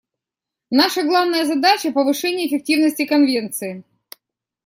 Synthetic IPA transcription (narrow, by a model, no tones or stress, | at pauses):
naʂəɡlˠavnəjəzɐd̪at͡ɕəpəvɨʂɛnʲɪjəːfʲɪk̚tʲivnəsʲtʲɪkɐnvʲe̞nt̪sɨɪ